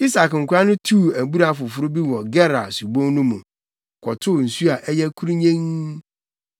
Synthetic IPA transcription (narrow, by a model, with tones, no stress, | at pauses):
i˦sa˨kŋ̩˨kʰʷʊ˨ɾa˦nʊ̃˦tʰu˦˨æ˨bu˦ɾa˨fʊ˨fʊ˦ɾʊ˦bi˦wɔ̃˨ɡɛ˦ɾa˨su˨bõ˦ŋ˦nũ˦mũ˨ | kʰɔ˨tʰʊ˦˨n̩˨su˦a˨ʔɛ˦jɛ˦kʰu˦ɾi˦ɲẽ˦ŋ